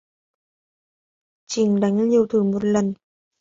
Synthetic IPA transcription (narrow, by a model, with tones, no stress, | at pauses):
t͡ɕï˧˩ŋɗa˨˦jŋɲi˧˨˩əwt̪ʰɨ˨˧˩mo˨˩t̚lə˨˩n